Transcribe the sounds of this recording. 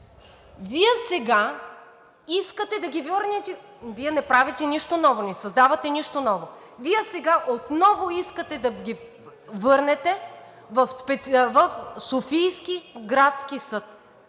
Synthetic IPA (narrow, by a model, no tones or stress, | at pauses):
viɛsɛɡa | iskət̪ɛd̪ɐɡʲivəɾnɛt̪ɛ | viɛnɛpɾavit̪ɛniʃt̪onɔvonɛsɐzd̪avɐt̪ɛniʃt̪onɔvo | viɛsɛɡaʔot̪nɔvoiskət̪ɛd̪ɐɡʲi | vɤɾnɛt̪ɛ | vɐfspɛt̪vɐfsofijskiɡɾat̪sk̟isɤt̪̚